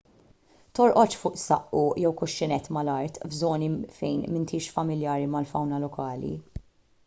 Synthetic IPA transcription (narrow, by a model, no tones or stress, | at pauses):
t̪ɔɾʔɔt͡ʃfʊːʔsɐ̰ʔːujɛwkʊʃːɪnɛt̪ːmɐlɐɾt̪bzɔːnifɛjnmɪnt̪ʰiːʃfɐmɪljɐːɾimɐlfɐwnɐlɔkʰɐːlḭ